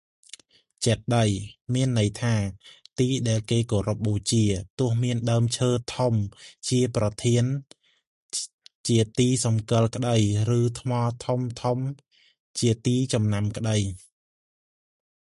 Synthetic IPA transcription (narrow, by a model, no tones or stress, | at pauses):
t͡ɕɛt̪̚ɗəjmiənːɨjt̪ʰaːt̪iːɗaɛlkeːkoːɾup̚ɓoːt͡ɕiət̪ʊ̆əhmiənɗaəmt͡ɕʰəːt̪ʰomt͡ɕiəprɑt̪ʰiən | t͡ɕiət̪iːsɑmkɨəlkə̆ɗəjrɨːt̪ʰmɑːt̪ʰomt̪ʰom | t͡ɕiət̪iːt͡ɕɑmnamkə̆ɗəj